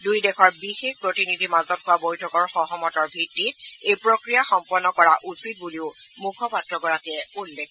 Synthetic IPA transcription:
dujdɛkʰɔɹbixek̚pɹotinidʱimazɔt̚hʊwabojtʰɔkɔɹxɔɦɔmɔtɔɹbʱitːit̚ejpɹokɹijaxɔmpɔnːɔkɔɹaʔusit̚buliʊmukʰɔpatɹɔɡɔɹakɛulːek

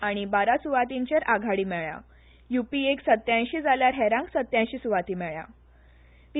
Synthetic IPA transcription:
aɽ̃ibaɾasuʋat̪iɲt͡ɕeɾʔaɡʱaɽiːmɛɭja̰ | jupieksət̪ːjãj̃ɕiːd͡zaljaɾɦɛɾãŋksət̪ːjãjɕiːsuʋat̪iːmɛɭja̰ | ʋi

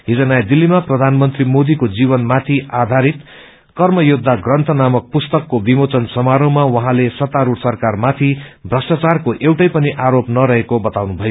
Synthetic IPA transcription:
ɦid͡zʌnajd̪ilːimaprʌd̪ʱanmʌnt̪rimod̪ikod͡ziβʌnmat̪ʰiad̪ʱaɾit̪ | kʌrmʌjud̪ʱːaɡrʌnt̪ʰʌnamʌk̚pust̪ʌkːobimot͡sʌnsʌmaɾõw̃mawʌɦãlesʌt̪aɾuʈsʌrkarmat̪ʰibʱrʌsʈat͡sarkoʔewʈʌjpʌniʔaɾopnʌɾʌɦekobʌt̪awnubʱʌjo

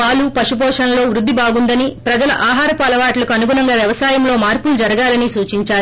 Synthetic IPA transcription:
paːlupɐʂupɔːʂɐnɐlo̞ːʋɾud̪ʱːibaːɡund̪ɐnipɾɐd͡ʒɐlɐ̰ʔaːɦaːɾɐpɐlɐʋaːʈlɐkuɐnuɡunɐŋɡaːʋjɛʋɐsaːjɐmlo̞ːmaːɾpulud͡ʒɐɾɐɡaːlɐnisuːt͡ʃiɲt͡ʃaːɾu

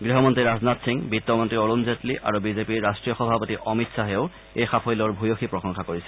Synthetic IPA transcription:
ɡɹiɦɔmɔntɹiɹaznatsiŋbit̪ːɔmɔntɹioɹunzetliʔʔa̰ɹubizepiɹːastɹijɔxɔbʱapotiʔɔmitsaɦeoʊ | ejxapʰɔjlɔɹbʱujoxipɹɔsɔŋxakoɹisɛ

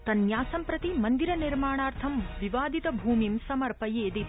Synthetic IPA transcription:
t̪ɐnjaːsɐmpɾɐt̪imɐnd̪iɾɐniɾmaːɳaːɾt̪ʰɐmʋiʋaːd̪it̪ɐbʱuːmimsɐmɐɾpɐjeːd̪i

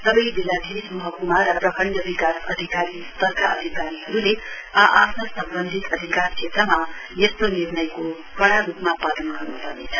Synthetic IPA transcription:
sʌbʌjbilad̪ʱismʌɦʌkumaʌprʌkʰʌɳɖʌd̪ʱikasʌ̰d̪ʱikaɾist̪ʌrkʰaʌ̰d̪ʱikaɾiɦʌɾule | aʔapʰnʌsʌmbʌnd̪ʱit̪ʌd̪ʱikart͡sʰet̪rʌma | jest̪onirnʌjko | kʌɽaɾupmapad̪ʌnɡʌrnupʌrnḛt͡sʰʌ̥

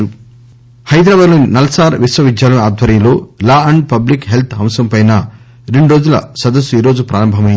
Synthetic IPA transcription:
ɾu | hɐjd̪ɾaːbaːd̪loːninɐlɐsaːɾʋisʋɐʋid̪jaːlɐmaːd̪ʱʋɐɾjɐmlo̞ːlaːɐɳɖ̚pɐblikɦe̞lt̪ʰɦɐmsɐmpɐjnɐ | ɾe̞ɳɖuɾo̞ːd͡ʒulɐ̰sɐd̪ɐsːuiːɾo̞ːd͡ʒupɾaːɾɐmbʱɐmɐji

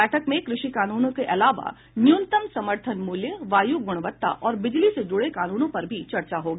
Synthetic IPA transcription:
ɛːʈʰəkmẽkɾɪʃikaːnuːnõkeʔɐlaːʋa̰ | njunt̪əmsɐməɾt̪ʰənmuːljəʋaːjuɡʊɽ̃ʋət̪ːa̰ʔɔːɾbɪd͡ʒlised͡ʒʊɽekaːnuːnõpɐɾbʱit͡ʃɐɾt͡ʃaɦoːɡ

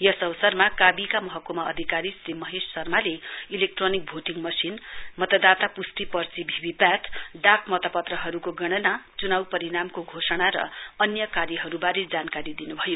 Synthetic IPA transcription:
jʌsʌwsʌrmakabikamʌɦʌkːomaʌ̰d̪ʱikaɾisɾimʌɦesːʌrmaleilek̚ʈronik̚bʱoʈiŋmʌsinmʌt̪ʌd̪at̪apust̪ipʌrt͡sibʱibipjat̪ɖakmʌt̪ʌpʌt̪rʌɦʌɾukoɡʌɽ̃ʌnat͡sunawpʌɾiɽamkoɡʱosʌɽ̃aɾʌ̰ʌnjʌkaɾjʌɦʌɾubaɾed͡zankaɾid̪inubʱʌjo

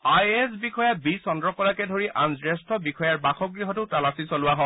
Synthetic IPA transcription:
ajɛs̬bixɔjabisɔndɹɔkɔlakɛdʱoɹiʔanzɹɛstʰɔbixɔjaɹbaxɔɡɹiɦɔtʊtalasisɔlʊwaɦɔ̃

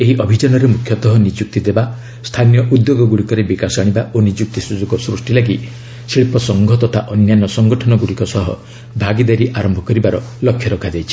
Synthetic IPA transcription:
eɦiʔɔbʱid͡ʒɔnɔɾemukʰːjɔt̪ɔɦɔnid͡ʒuk̚t̪id̪eba | st̪ʰanijɔʔud̪joɡɔɡuɽikɔɾebikasɔaɽ̃ibaʔonid͡ʒuk̚t̪isud͡ʒuɡɔsɾusʈilaɡi | siɭipɔsɔŋɡʱɔt̪ɔt̪ʰaʔɔnjanɔsɔŋɡɔʈʰɔnɔɡuɽikɔsɔɦɔ̰ | bʱaɡid̪aɾiʔaɾɔmbʱɔkɔɾibaɾɔlɔkʰːjɔɾɔkʰad͡ʒajt͡ʃʰi̥

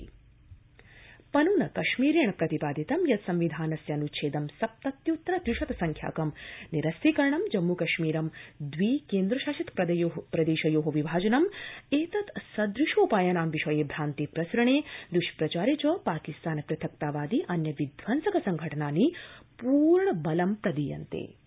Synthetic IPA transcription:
pɐnuːnɐkɐʃmiːɾeɳɐpɾɐt̪ipaːd̪ʱit̪ɐmjɐt̪sɐmʋid̪ʱaːnɐsjɐnutʃʰeːd̪ɐmsɐp̚t̪ɐt̪jut̪ːɾɐd̪ɾiʃɐt̪ɐsɐŋkʰja̰ːkɐmniɾɐst̪iːkɐɾɐɳɐmd͡ʒɐmːukɐʃmiːɾɐmd̪ʋiːkeːnd̪ɾɐʃaːʃit̪pɾɐd̪ɐjoɦpɾɐd̪eːʃɐjoːɦoʋibʱaːd͡ʒɐnɐmeːt̪ɐt̪sɐd̪ɾiʃoːpaːjɐnaːmʋiʃɐjeːbʱɾaːnt̪ipɾɐsɾɐɳeːd̪ɾuʃpɾɐt͡ʃaːɾet͡ʃɐpaːkist̪aːnɐpɾɐt̪ʰɐk̚t̪aːʋaːd̪iʔɐnjɐʋid̪ʱʋɐnsɐkɐsɐŋɡʱɐʈɐnaːnipuːɾɳɐbɐlɐmpɾɐd̪ijɐ̰nt̪ḛː

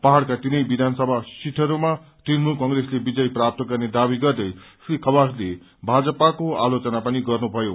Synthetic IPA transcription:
paɦaɽkat̪inʌjbid̪ʱansʌbʱasiʈʰʌɾuma | t̪inmulkʌŋreslebid͡zʌjprap̚t̪ʌɡʌrned̪abiɡʌrd̪ʌjsrikʰʌbasle | bʱad͡zʌpakoalot͡sʌnapʌniɡʌrnubʱʌjo

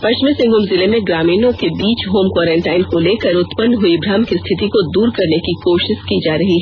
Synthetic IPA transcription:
pɐt͡ʃmisɪ̃ŋɡʊmzɪlemẽɡɾaːmiːnõkebiːt͡ʃɦoːmkwaːɾẽːɳʈaːɪnkoleːkəɾʊt̪pənɦʊibɾaːmkist̪ʰɪt̪ikod̪uːɾkɐɾnekikoːʃɪʃkid͡ʒaːɾɐɦiɦɛ

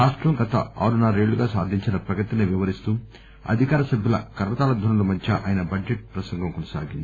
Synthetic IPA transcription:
aːʂʈɾɐmɡɐt̪ʰɐ̰a̰ːɾunaːɾeːɭːuɡaːsaːd̪ʱiɲt͡ʃinɐpɾɐɡɐt̪iniʋiʋɐɾist̪uː | ɐ̰d̪ʱikaːɾɐsɐbʱjulɐ̰kɐɾʋɐt̪aːlɐd̪ʱunɐlumɐd̪ʰʱjɐʔa̰ːjnɐbɐd͡ʒd͡ʒeʈ̚pɾɐsɐŋɡɐmkɔnɐsa̰ːɡind̪ii

